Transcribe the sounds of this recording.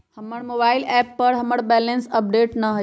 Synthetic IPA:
həməɽmobaːɪlɛpːəɾɦəməɽbɛlensəp̚ɖeʈnəɦə

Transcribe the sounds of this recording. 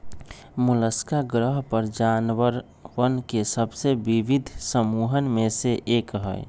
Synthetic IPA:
mʊləskaɡɾəɦpəɾd͡ʒanwəɾ | wənkesəbseʋibɪd̪ʱsəmuːɦənmẽseʔeːkɦə̰ɪ

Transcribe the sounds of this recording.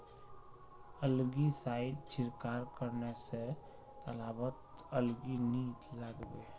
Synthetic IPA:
əlɡisaːɪd̪t͡ʃʰɪɾkaːɾkəɾnese | t̪əlaːbət̪əlɡiniːt̪ləɡbeː

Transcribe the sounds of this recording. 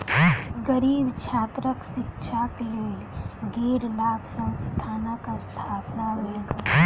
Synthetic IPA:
ɡəɾiːbt͡ʃʰaːt̪ɾəkʃɪkt͡ʃʰakleːlɡeːɾlaːbsə̃wst̪ʰaːnakast̪ʰaːpnaɦeːl

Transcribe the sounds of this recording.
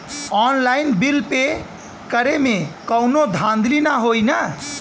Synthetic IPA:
ɔnlainbilpe | kəɾemekəwnod̪ʱãnd̪linaɦojnə

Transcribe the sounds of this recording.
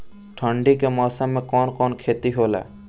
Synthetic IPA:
ʈʰɔɳɖikemɔsamekɔnkɔnkʰet̪iɦola̰

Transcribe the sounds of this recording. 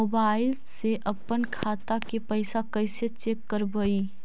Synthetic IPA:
oːbaːɪlseʔəpːənkʰaːt̪akepəɪsakəɪset͡ʃeːkːəɾbəi

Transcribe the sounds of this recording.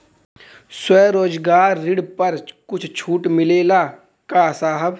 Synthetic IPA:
swɛːɾoːd͡ʒɡaːɾːɪɽpɐɾkʊt͡ʃʰt͡ʃʰuːʈmɪleːlaː | kaːsaːɦəb

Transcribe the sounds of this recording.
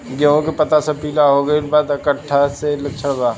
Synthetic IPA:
ɡeɦõkepɐt̪asɐpiːlaɦoɡɐikbaːd̪ɐkəʈʰːaselɐk̚t͡ʃʰəɽbaː

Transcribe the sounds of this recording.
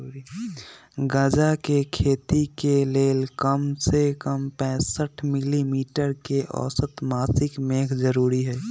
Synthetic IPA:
ɡə̃d͡ʒakekʰeːt̪ikeleːlkəmsekəmpɛ̃ːsəʈʰmɪlimiːʈəɾkeʔɔ̰ːsət̪maːsɪkmeːkʰd͡ʒəɾuːɾiɦɛː

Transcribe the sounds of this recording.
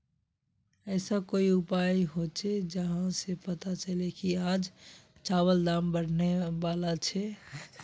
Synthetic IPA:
ɛːsakoːiʊpaːiɦot͡ʃʰed͡ʒəɦãsepət̪at͡ʃəlekiaːd͡ʒt͡ʃaːwəld̪aːmbəɽ̤neʋaːlat͡ʃʰɛ

